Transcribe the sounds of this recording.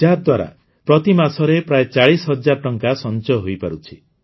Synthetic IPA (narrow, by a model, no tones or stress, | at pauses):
aɾd̪waɾa̰ | pɾɔt̪imasɔɾepɾajet͡ʃaɭisɦɔd͡ʒaɾɔʈɔŋkasɔnt͡ʃɔɦojpaɾut͡ʃʰi